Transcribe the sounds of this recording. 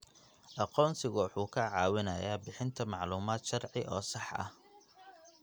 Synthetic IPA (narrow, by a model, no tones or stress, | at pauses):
ʔɑqɔːnsɪɣʊwɑħuːkʰɐʕɑːwɪnɐjaːbɪħɪnt̪ʰɐmɑʕluːmaːd̪ʃɐrʕɪʔɔːsɑħɐ̰h